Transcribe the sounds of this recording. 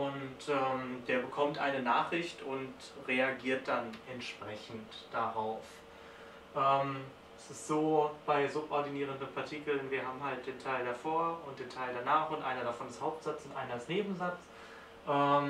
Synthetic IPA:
ʔʊntʔɛːmd̥eːɐbəkʰɔmtʔa̰ɪnənaːχʁ̥ɪçtʊnt | ʁeaɡiːɐt̚d̥anʔɛntʃpʁ̥ɛçn̩td̥aʁaʊf | ʔɛːm | ɛsɪstz̥oːb̥aɪzʊpʔɔɐdiniːʁ̞əndənpʰaɐtʰiːkl̩nviːɐhaːbm̩ɦalt̚d̥eːntʰaɪldafoːɐʊnt̚d̥eːntʰaɪldanaːχʊntʔa̰ɪnɐɾafɔndɛshaʊp̚tz̥at͡sʊntʔa̰ɪnɐdɛsneːbm̩zat͡s | ʔɛːm

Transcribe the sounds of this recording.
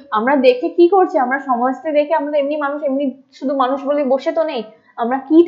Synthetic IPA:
amɾad̪ekʰekikoɾt͡ɕʰiamɾaʃɔmɔʃt̪ed̪ekʰeamat̪emnimanuʃemniʃud̪ʱumanuʃboleboʃet̪onej | amɾakit̪

